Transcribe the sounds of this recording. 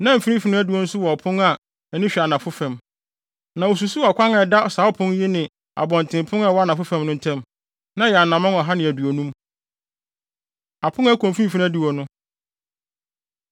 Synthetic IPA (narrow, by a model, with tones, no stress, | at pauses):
nã˦m̩˨fi˦nĩ˦fi˦ñ˦æ˦di˨wɔ˦n̩˦sʊ˦wɔ˨ɔ˨pʰʊ̃˦ŋa˨ | ɛ˨nɪ̃˦ɕᶣɛ˨a˨nã˨fʊ˦fɛ̃˨m | nã˨wo˨s̬u˨su˦a˨kʷʰã˦ŋɛ˨da˦ɔ˨saː˨˦ɔ˦pʰʊ̃˦n˦ji˦nɪ̃˨ | a̰˨bɔ̃˨ntʰɪ̃˨m˨pʰʊ̃˦ŋa˦˨wa˦nã˨fʊ˦fɛ̃˨mnʊ̃˦n̩˨tʰɛ̃˦m | nã˨˦jɛ˨a˨nã˨mã˦nɔ˨ɦa˦nɪ̃˨æ˨du˨o˨nũ˦m | a˨pʰʊ̃˦ŋæ˦kʰõ˨m˨fi˦ĩ˦fi˦ñ˦di˨wɔ˨nʊ̃˦